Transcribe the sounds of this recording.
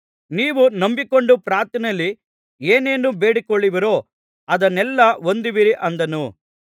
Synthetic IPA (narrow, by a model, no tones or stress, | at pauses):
niːʋunɐmbiko̞ɳɖupɾaːɾt̪ɐnɐlːi | eːneːnube̞ːɽikoɭːiʋiɾo̞ː | ɐd̪ɐnɛlːɐo̞nd̪iʋiɾiʔɐnd̪ɐnu